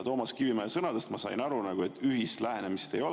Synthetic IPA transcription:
t̪o̞ːmɑskivimesɤnɑd̪est̪mɑsɑ̰jnɑɾunɑɡ̥ue̞t̪ʰːˑyɦisst̪læɦe̞nemist̪e̞jo̞l

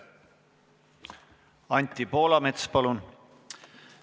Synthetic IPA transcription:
ɑnʲt̪ʲːˑipo̞ːlɑme̞t̪spɑlun

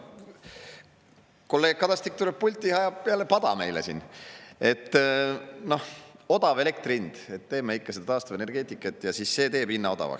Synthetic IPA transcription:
ko̞lːe̞ːɡ̥̚kɑd̪ɑst̪ik̚t̪uleb̚pːulʲt̪ʲːˑihɑjɑb̥̚peælːepɑd̪̥ɑ̰me̞jlḛsine̞t̪ː | no̞ho̞d̪̥ɑve̞le̞kt̪rind̪̥e̞t̪ːe̞ːmeikːɑsed̪ɑt̪ɑːst̪uvene̞rɡe̞ːt̪ˑikˑːet̪ːˑjɑsisːe̞ːt̪e̞ːbinːɑo̞d̪̥ɑ̰vɑ̰ks

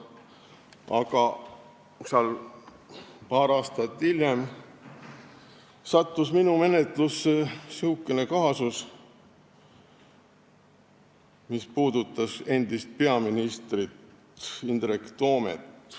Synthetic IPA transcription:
ʔɑkɑ | sɑl | pɑːɾɑːst̪ɑt̪ːiljem | sɑt̪ˑːusminume̞net̪ˑlusːesiukːˑene̞kɑɦɑsus | mispuːd̪ut̪ːˑɑse̞nd̪ist̪̚pe̞ɑminist̪rit̪ | ind̪̥rekt̪o̞ːmḛt̪ː

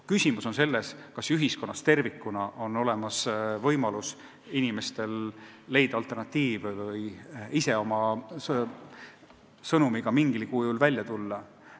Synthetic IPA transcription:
kysʲimuso̞nse̞lːe̞skɑsyɦisko̞nːɑst̪e̞rvikːˑunɑʔo̞no̞le̞mɑsvɤ̞jmɑlus | inime̞st̪e̞lː | e̞jd̪̥ɑɑlt̪ːˑe̞rnɑt̪ːiːvvɤjise̞o̞mɑs | sɤnumiɡ̥ɑmiŋɡ̥ilikujulvælʲjɑt̪ulːɑ

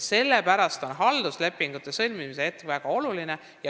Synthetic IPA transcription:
se̞lːe̞pæɾɑst̪o̞nɦɑld̪̥usle̞pːˑiŋɡ̥ut̪ːˑe̞sɤlʲmimise̞et̪ːˑevæɡ̥ɑo̞luline̞ | jɑ

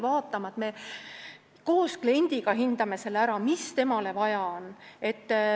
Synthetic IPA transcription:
vɑːt̪ˑːɑmɑt̪me̞ | ko̞ːsklie̞nʲd̪̥iɡ̥ɑɦind̪̥ɑme̞se̞læɾɑmist̪e̞mɑle̞vɑjɑone̞t̪ː

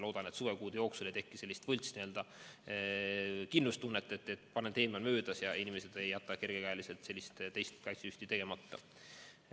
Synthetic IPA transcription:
loːd̪̥ɑne̞t̪suvekuːd̪̥ejo̞ːksulet̪e̞kːise̞lʲːist̪vɤlʲt̪sniø̞ld̪̥ɑ | kinlust̪unːet̪ˑːet̪ːˑet̪ːˑpɑnent̪e̞ːmɑlmøːd̪̥ɑsjɑinimese̞d̪̥e̞jːɑt̪ːˑɑke̞rɡ̥ekɑjlise̞lt̪se̞lːist̪t̪ejst̪kɑjt̪seyht̪it̪e̞ɡ̥emɑt̪ːɑ̰

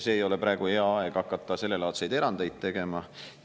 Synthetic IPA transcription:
seːjo̞lepɾɑe̞ɡ̥ueɑɑe̞ɡ̥ɑkːˑɑt̪ːˑɑse̞lːe̞lɑːt̪sejd̪e̞ɾɑnd̪̥ejd̪̥̚t̪e̞ɡ̥e̞mɑ

